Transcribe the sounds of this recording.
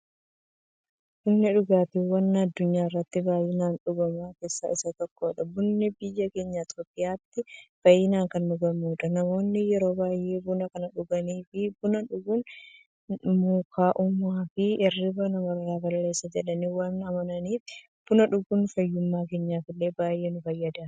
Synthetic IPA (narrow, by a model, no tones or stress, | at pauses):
b̥ʊnːɛᶑʊɡaːt̪iwɐnːɐd̪ːʊɲːaːɪrːɐt̪ːɪbaːjɪnaːnᶑʊɡɐmaːke̞ːsːɐ̰ɪsɐt̪ɔkːo̞ːᶑɐbʊnːɪbɪjːɐke̞ːɲːat̪oːpʼːɪjaːt̪ːɪb̥ɐjɪnaːŋkɐnːʊɡɐmuːᶑɐnɐmo̞ːnːɪjɛɾo̞ːbaːjʔeːbʊnɐkɐnɐᶑʊɡɐniːfɪbʊnɐᶑʊɡʊn | muːkʰaːʔʊmaːfɪɛrːɪbɐnɐmɐrːaːɡɐlle̞ːsːɐd͡ʒɛᶑɐniːwɐnɐmɐnɐniːf | b̥ʊnɐᶑʊɡʊnfɐjːʊmːaːke̞ːɲːaːfɪlːe̞ːbaːjʔe̞ːnʊfɐjːɐd̪ḁː